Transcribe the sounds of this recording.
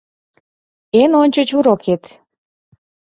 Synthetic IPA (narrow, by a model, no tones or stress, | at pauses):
enonʲt͡ɕət͡ɕuɾoket̪